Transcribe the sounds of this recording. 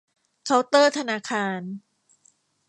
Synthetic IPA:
kʰa˦˥wt̪ɤː˥˩t̪ʰa˧naː˧˥kʰaː˧n

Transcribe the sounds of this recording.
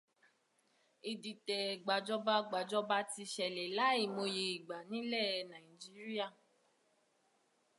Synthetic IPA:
e˨di˨tɛ˨ɡ͡ba˨d͡ʒɔ˧ba˧ɡ͡ba˨d͡ʒɔ˧ba˧ti˧ʃɛ˨lɛ˨la˨˦i˨mo˧je˧i˨ɡ͡ba˨nĩ˦lɛ˦˨˧nã˨i˨d͡ʒi˦ɾi˦a˦˨

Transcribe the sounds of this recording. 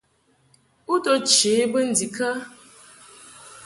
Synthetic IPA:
u˦to˦t͡ʃe˨˦bə˦n̩˦di˨kʰa˦

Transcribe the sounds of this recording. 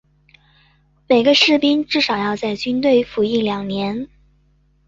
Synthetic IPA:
me˨˩ɪɡə˦ʂɻ̩˥˩pi˥ŋʈ͡ʂɻ̩˥˩ʂɑ˨˩ʊjɑ˥˧ʊt͡sa˥˩ɪt͡ɕy˥nt̪we˥˩ɪfu˧˥i˥˩ljɑ˨˩ŋnjɛ˧˥n

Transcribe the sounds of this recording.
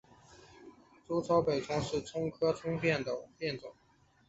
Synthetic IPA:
ʈ͡ʂu˥t͡sʰɑ˥ʊpe˨˩ɪʈ͡ʂʊ˥ŋʂɻ̩˥˩t͡sʰʊ˥ŋkʰɤ˥t͡sʰʊ˥ŋpjɛ˥˩nd̪ə˩pjɛ˥˩nt͡sʊ˨˩˦

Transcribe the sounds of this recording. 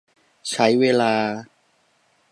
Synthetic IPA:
t͡ɕʰa˦˥jweː˧laː˧

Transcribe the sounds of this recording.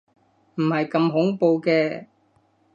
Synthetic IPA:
m̩˨˩hɐ˨jkɐ˧mɦʊ˨˥ŋpo˧wkɛː˧

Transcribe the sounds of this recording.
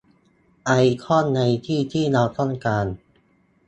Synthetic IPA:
ʔa˧jkʰɔ˥˩nːa˧jt̪ʰiː˥˩t̪ʰiː˥˩naː˧wt̪ɔ˥˩nkaː˧n

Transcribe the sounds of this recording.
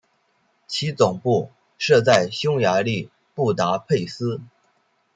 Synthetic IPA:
t͡ɕʰi˧˥t͡sʊ˨˩ŋpu˥˩ | ʂɤ˥˧t͡sa˥˧ɪɕjʊ˥ŋja˧˥li˥˧ | pu˥˩t̪a˧˥pʰe˥˩ɪsɹ̩˥

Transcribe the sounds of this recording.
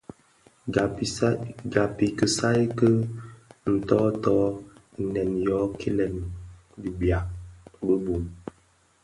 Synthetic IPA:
ɡa˨pi˨kə˨sa˦jkə˦ | n̩˨tɔː˦tɔ˦˨ | nɛ˨njɔ˨˦kʰe˦lɛ˨n | bi˨bja˨bə˦bu˨n

